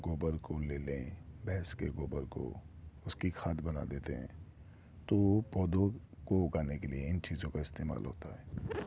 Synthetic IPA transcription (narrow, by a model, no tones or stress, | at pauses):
ɡoːbəɾkoleːlẽbɛɦskeɡoːbəɾko̰ʊskixʰaːd̪bɐna̰d̪eːt̪eɦɛ̰̃ː | t̪opɔːd̪o | koʊɡaːnekelieɪnt͡ʃiːzõkaɪst̪eːma̰ːlɦo̰ːt̪aɦɛː